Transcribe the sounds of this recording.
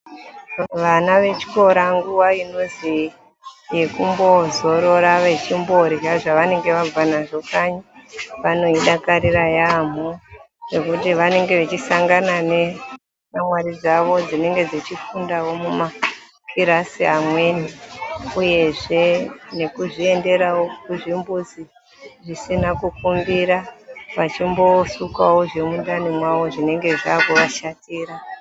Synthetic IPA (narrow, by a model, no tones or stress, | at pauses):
ʋanaʋe̞t͡ʃi̥ko̞ɾaŋɡuwaino̞zi | je̞kumbo̞zo̞ɾo̞ɾaʋet͡ʃimbo̞ɾiaʐaʋane̞ŋɡe̞ʋavanaʐo̞kaɲaʋano̞iɗakaɾiɾajam̤o | re̞kutiʋane̞ŋɡe̞ʋet͡ʃisaŋɡanane̞ | mamwaɾid͡zaʋo̞d͡zine̞ŋɡe̞d͡zit͡ʃifundawo̞muma | kʰiɾasiamwe̞ːniuje̞ʐe̞ne̞kuʐie̞nde̞ɾawo̞kuʐimbuzi | ʐisinakukumbiɾaʋat͡ʃimbo̞sukawo̞ʐe̞mundanimwawo̞ʐine̞ŋɡe̞ʐaːkuʋaʃatiːɾa